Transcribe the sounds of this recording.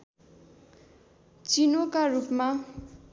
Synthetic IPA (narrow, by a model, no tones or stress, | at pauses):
t͡sinokarupma